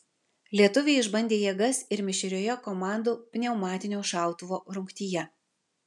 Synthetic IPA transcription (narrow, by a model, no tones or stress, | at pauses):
lʲiɛt̪ʊʋʲeːɪʒbɐnʲd̪ʲeːjiɛɡɐsɪɾmʲɪʃʲɪɾʲoːjɛkɔmɑˑnd̪uːpʲnʲɛʊmɑːt̪ʲɪnʲoːʃɑˑʊt̪ʊʋoːɾʊŋʲkt̪ʲiːjɛ